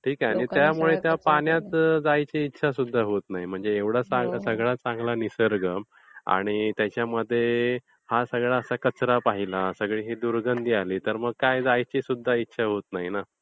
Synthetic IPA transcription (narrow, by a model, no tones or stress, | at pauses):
ʈʰiːkaɽ̃it̪jamuɭet̪japaɳjat̪d͡zajt͡ɕiːtːɕʰasud̪ʱːaɦot̪naɦim̤əɳd͡zeːʋɽ̤at͡sãŋɡasəɡɭat͡sãŋɡlanisəɾɡəm | a̰ɽ̃it̪jat͡ɕjaməd̪ʱːje | hasəɡɭaəsakət͡sɾapaɦilasəɡɭiɦed̪uɾɡənd̪ijaliːt̪əɾməɡ̚kajd͡zajt͡ɕisud̪ʱːaitːɕʰaɦot̪naɦina